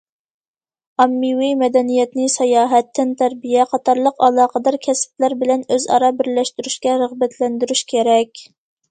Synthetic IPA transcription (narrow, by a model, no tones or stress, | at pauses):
ɑmːiwimɛd̪ɛnijɛt̪nɪsɛjɑːɦɛt̪ʰːɪnt̪ʰæɾbijɛqʰɑt̪ɑɾlˠəqɑlˠɑːqʰəd̪ɑɾkʲʰɛsp̚læɾbɪlɛnøzɑ̰ɾɑbɪɾlɛʃt̪yɾyʃkʲɛɾəʁbɛt̪ʰlɛnd̪yɾyʃkʲʰeɾɛkʲ